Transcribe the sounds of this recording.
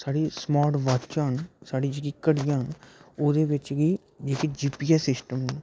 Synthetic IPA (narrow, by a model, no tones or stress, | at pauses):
saːɽiːsmaːɾʈʋaːt͡ʃãːɦənsaːɽiːd͡ʒekiːkəɽijãːɦnoːd̪eːʋɪt͡ʃɡiː | d͡ʒeːkid͡ʒiːpiːɛːsɪsʈəmɦən